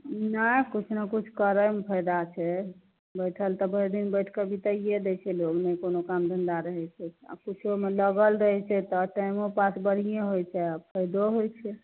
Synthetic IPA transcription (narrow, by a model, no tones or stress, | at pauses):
nəkut͡ʃʰnakut͡ʃʰkəɾəmpʰəjd̪at͡ʃʰɛ | bəjʈʰəlt̪ɔbəd̪inbəjʈʰkəbʱit̪əied̪et͡ʃʰɛloɡnɛjkonokamd̪ʱənd̪aɾəɦɛt͡ʃʰɛa̰kut͡ʃʰomeləɡəlɾəɦɛt͡ʃʰɛt̪ɔʈajmopasbəɽ̤ijẽɦojt͡ʃʰɛapʰəjd̪oɦojt͡ʃʰɛ